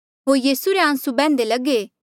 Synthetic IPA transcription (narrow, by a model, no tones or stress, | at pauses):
ɦoːɾjiːsuɾeãːsubɛ̃ːnd̪elɐɡe